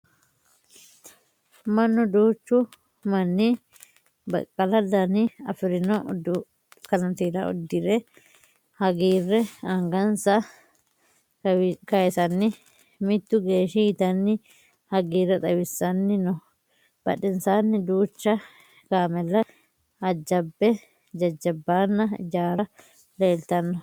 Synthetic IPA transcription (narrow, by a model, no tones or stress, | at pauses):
mɐnːʊd̪uːt͡ʃːʊ | mɐnːi | bɐ̰kʼːɐlɐdanɪɐ̰fɪɾɪnɔ | kɐnɐnt̪iːɾɐ̰ɔ̰d̪ːɪɾɛ | hɐɡiːrːɛɐŋɡɐnsɐ | kɐɛsɐnːɪ | mɪt̪ːʊɡe̞ːʃit̪ɐnːɪ | hɐɡiːrːɛt̪ʼɐwɪsːɐnːɪnɔ | b̥ɐ̰ᶑɪnsaːnːɪd̪uːt͡ʃːɐ | kaːmɛlːɐ | ɐd͡ʒːɐbːɛ | d͡ʒɐd͡ʒːɐbːaːnːɐɪ̰d͡ʒaːɾɐ | leːlt̪ɐnːɔ